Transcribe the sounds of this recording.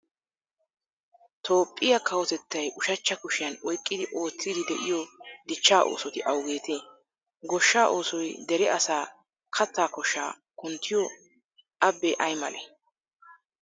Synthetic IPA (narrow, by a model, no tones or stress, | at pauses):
t̪ʰo̞ːpʼːɪjɐkɐwɔt̪ɛt̪ːɐjʔʊʃɐt͡ʃːɐkʊʃɪjɐnɔjkʼːɪd̪ɪʔo̞ːt͡sːiːd̪ɪd̪ɛʔɪjɔd̪ɪt͡ʃːaːʔo̰ːsɔt̪ɪʔɐwɡe̞ːt̪eː | ɡɔʃːaːʔo̞ːsɔjd̪ɛɾɛʔɐsaː | kʰɐt͡sːaːkɔʃːaː | kʊnt̪ʰːɪjɔ | ʔɐbːɛʔɐjmɐlɛ